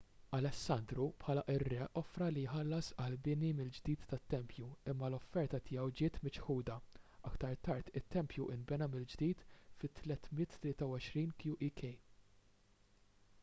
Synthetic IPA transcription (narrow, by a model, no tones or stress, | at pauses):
ɐlɛsːɐnd̪ɾupħɐːlɐʔɪrːɛʔɔfɾɐlijħɐlːɐsɐlbɪnimɪld͡ʒd̪iːt̪ːɐt̪ːɛmpjuɪmːɐlɔfːɛɾt̪ɐt̪ʰɪjɛwd͡ʒɪːt̪mɪt͡ʃħuːd̪ɐɐkt̪ɐɾt̪ɐɾt̪ɪt̪ːɛmpjuʔɪnbɛnɐmɪld͡ʒd̪iːt̪fɪt̪ːlɛt̪mɪt̪ːlɪːt̪ɐwɔʃɾiːnkjuʔikʰɛj